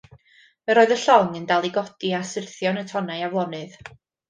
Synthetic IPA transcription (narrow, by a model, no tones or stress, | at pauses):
mɛɾoːɨðəɬɔŋəndalˠiɡɔdiasərθjɔnətʰɔnajavwˠɔnɨð